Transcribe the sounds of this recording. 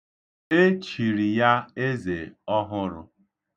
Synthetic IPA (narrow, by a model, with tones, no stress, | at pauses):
e˦t͡ʃi˨ɾi˨ja˦e˦ze˨ɔ˦ɦʊ˦ɾʊ̰˨